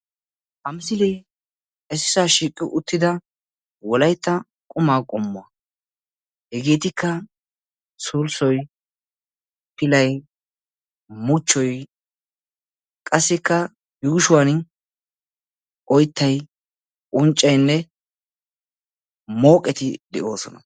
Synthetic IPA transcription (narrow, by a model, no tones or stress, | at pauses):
ʔɐmsɪlɛ | ɛsɪsaːʃiːkʼːɪʔʊt̪ːɪd̪ɐ | wɔlɐjt̪ːɐ | kʼʊmaːkʼɔmːʊɐ | hɛɡeːt̪ɪkːɐ | suːlsɔj | pɪlɐj | mʊt͡ʃːɔj | kʼɐsːɪkːɐ | juːʃʊwan | ʔɔjt̪ːɐj | ʔʼʊnt͡ʃʼːɐjnːɛ | mo̞ːkʼːɛt̪ɪd̪ɛʔo̞ːsɔnɐ